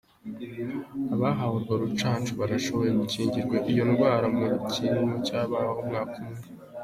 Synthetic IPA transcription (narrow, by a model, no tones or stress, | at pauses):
aβaɦahuɾɡwaɾut͡ʃaːnt͡ʃuβaɾaʃo̞βo̞jeɡuciːɲɟiɾɡwaʔijo̞nɡwaːɾamucʰiɾimucaːβaːwahomɡaːkʰumŋe